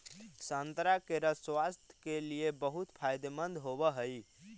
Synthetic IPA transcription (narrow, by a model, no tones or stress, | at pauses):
sənt̪ɾakeɾəswast̪ʰjkeliebəɦut̪pʰajd̪emənd̪ɦobəɦəj